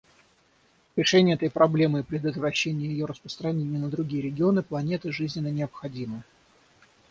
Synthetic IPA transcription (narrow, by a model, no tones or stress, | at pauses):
ɾʲɪʂɛnʲɪjəɛt̪əjpɾɐblʲe̞mɨipɾʲɪd̪ət̪vrɐɕːenʲɪjəjɪjoɾəspɾəst̪ɾɐnʲenʲɪjənəd̪ɾʊɡʲijəɾʲɪɡʲɪo̞nɨplˠɐnʲe̞t̪ɨʐɨzʲnʲɪnːənʲɪɐpxɐdʲimɨ